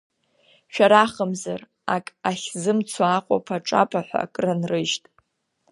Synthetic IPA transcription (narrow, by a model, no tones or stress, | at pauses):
ʃᶣaɾaχəmzar | akʼaχʲzɨmt͡sʰaːqʷʼa̰pʰaʈ͡ʂʼa̰pʰaħʷa̰kʼranrɨʒtʼ